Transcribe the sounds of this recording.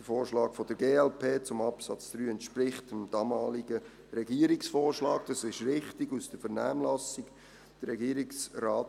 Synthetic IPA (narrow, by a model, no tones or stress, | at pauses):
d̥əfoːɾʃlɑːkfɔd̥əɾɡeːɛlpʰeːt͡sʊmɑpsɑ̰t͡sd̥ɾyːɛntʃpɾɪχtəmd̥ɑːmɑːlɪɡə | ɾɛɡiːəɾɪksfɔːrʃlɑːk̚d̥ɑsɪʃɾɪχtɪɡusd̥əfəɾnæːmlɑsɪɡ | d̥əɾɾɛɡiːəɾɪksraːt